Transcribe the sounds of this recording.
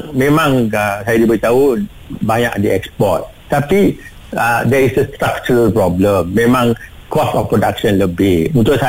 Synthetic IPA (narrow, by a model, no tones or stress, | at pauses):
mẽmãŋəsajadibəit̪au | baɲa̰ʔdiɛkspɔ̰t̪̚ | t̪api | ədɛisəst̪ɾak̚t͡ʃuɾəlpɾɔbləmːẽmãŋ | kɔstɔfpɾodak̚ʃɔ̃nləbɪhunt̪ʊʔsa